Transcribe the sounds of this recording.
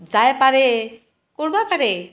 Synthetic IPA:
d͡ʒajpaɾe | kɔɾbapaɾe

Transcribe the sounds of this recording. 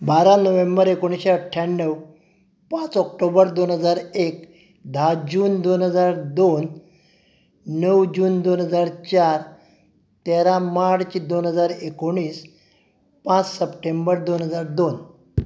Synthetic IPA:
baɾãnəʋẽmbəɾekoɽ̃iseəʈʰːjanːəw | pãt͡sɔk̚ʈobəɾd̪onɦəd͡zaɾek | d̪ʱad͡ʑuːnd̪onɦəd͡zaɾd̪on | nəwd͡ʑuːnd̪onɦəd͡zaɾt͡ɕaɾ | t̪eɾãmaʈt͡sid̪onɦəd͡zaɾekoɽ̃iːs | pãt͡ssəpʈembəɾd̪onɦəd͡zaɾd̪on

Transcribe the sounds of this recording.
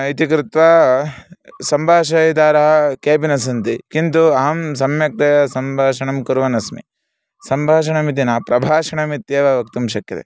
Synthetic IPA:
it̪ikɾɪt̪ʋaː | sɐmbʱaːʃɐjd̪aːɾɐɦɐkeːpinɐsɐnt̪ikint̪uɐɦɐmsɐmjɐk̚t̪ɐjɐsɐmbʱaːʃɐɳɐmkuɾʋɐnɐsmḭ | sɐmbʱaːʃ̬ɐɳɐmit̪̬inaːpɾɐbʱaːʃɐɳɐmit̪jeːʋɐʋɐkt̪umʃɐkjɐ̰t̪ḛ

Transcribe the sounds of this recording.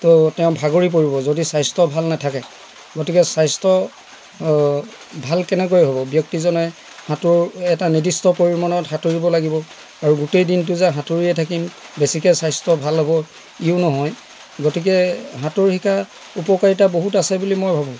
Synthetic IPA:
tɔtɛʊ̃bʱaɡoɹip̬oɹibɔzodisajstɔbʱalnatʰakɛ | ɡotikɛsajstɔ | bʱalkɛnɛk̬ojɦobɔbjɔk̚tizɔnɛ | hatʊɹɛtanidistɔpoɹimanɔthatoɹibɔlaɡibɔ | aɹuɡutejdint̬ʊzaɦatoɹiɛtʰakimbesikɛsajstɔbʱalɦɔbɔ | iʊnɔɦɔj | ɡotik̬ɛɦatʊɹhikʰa | upɔkaɹit̬aboɦutasɛbulimojbʱabũ

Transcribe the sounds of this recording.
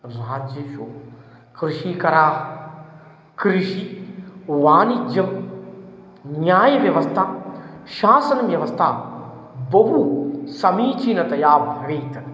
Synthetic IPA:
ɾaːd͡ʒjəʃoː | kɾɪʃiːkɐɾaː | kɾɪʃi | ʋaːnid͡ʒɐm | njaːjʋjɐʋɐst̪ʰaːʃaːsɐnʋjɐʋɐst̪ʰaː | bɐbuːsɐmiːt͡ʃʰinɐt̪ɐjaːbʋeːt̪

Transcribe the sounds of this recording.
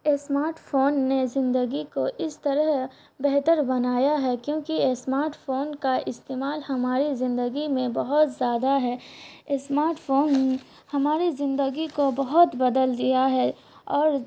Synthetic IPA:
esmaːɾʈfoːnːezɪ̃nd̪əɡikoʔɪst̪əɾəɦ | bɛɦt̪əɾbɐnaːjaɦɛkjõːkiesmaːɾʈfoːnkaʔɪst̪eːmaːlhɐmaːɾizɪ̃nd̪əɡimẽbɐɦʊt̪zjaːd̪aɦɛːsmaːɾʈfʰoːn | hɐmaːɾizɪ̃nd̪əɡikobɐɦʊt̪bɐd̪əld̪ijaɦɛː | ɔːɾ

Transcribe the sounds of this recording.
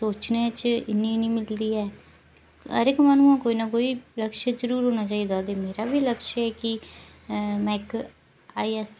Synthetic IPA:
soːt͡ʃneːt͡ʃɪnːĩnĩːmɪld̪iːɛː | ə̰ɾɪkmaːnũːãːkoːiːnakoːiːləkʃezəɾuːɾɦoːnaːt͡ʃaːiːd̪aːt̪eːmeːɾaːbiːləkʃɛːkɪ | mɛ̃ːɪk | aːiːɛːs

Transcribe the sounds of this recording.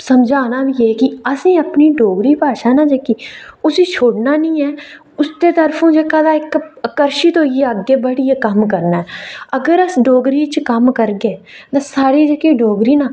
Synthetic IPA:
səmd͡ʒaːnaːbiːjeːkɪəsĩːəpniːɖoːɡɾiːpaːʃaːnãːd͡ʒekiːʊsiːt͡ʃʰoːɽnaːnĩːɛː | ʊst̪eːt̪əɾfʰõːd͡ʒeːkãːd̪ãːɪkəkəɾʃiːt̪oːieəɡeːbəɽiːeːkəmkəɾnaɛəɡəɾəsɖoːɡɾiːt͡ʃkəmkəɾɡeː | t̪ãːsaːɾiːd͡ʒekiːɖoːɡɾiːnãː

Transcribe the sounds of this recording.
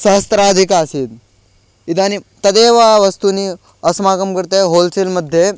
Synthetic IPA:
səst̪ɾad͡z̪ʱikaːsit̪ | it̪anit̪əd̪eʋaʋəst̪uniː | əsmaɡəmkəɾt̪eɦolselməd̪ʱːje

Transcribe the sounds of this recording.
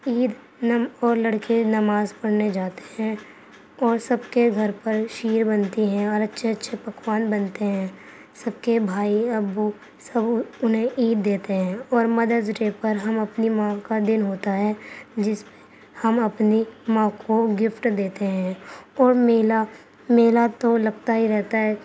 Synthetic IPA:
iːd̪ | ɔːɾlɐɽkenɐmaːzpɐɽ̤ned͡ʒaːt̪e̥ɦɛ̃ | ɔːɾsɐb̚keɡʱɐɾpɐɾʃiːɾbɐnt̪iɦɛ̃ɔːɾɐtːʃʰeɐtːʃʰepɐkwaːnbɐnt̪eɦɛ̃ː | sɐbkebʱaːiɐbu | sɐbʊnɦẽʔiːt̪̚d̪eːt̪eɦɛ̃ːɔːɾmɐd̪əzʈepɐɾɦɐmɐpnimãːkad̪ɪnɦoːt̪aɦɛːd͡ʒɪspe̥ | hɐmɐpnimãːkʰoɡɪfʈd̪eːt̪eɦɛ̃ɔːɾmela | meːlat̪olɐɡ̚t̪aɦiɾɛɦt̪aɦɛː

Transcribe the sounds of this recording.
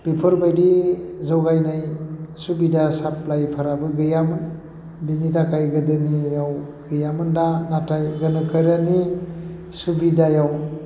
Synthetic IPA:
b̥ipʰɯɾbajdizawɡajnajsubidasap̚lajpʰaɾabɯɡɯjamɯn | binitʰakʰajɡɯdɯnijaw | ɡɯjamɯndanatajɡɯnɯkʰɯjɾani | subidajaw

